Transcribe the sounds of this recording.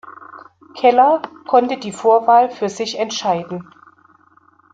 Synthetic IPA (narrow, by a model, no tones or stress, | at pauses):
kʰɛlɐkʰɔntədiːfoːɐvaːlfyːɐzɪçɛntʃaɪdn̩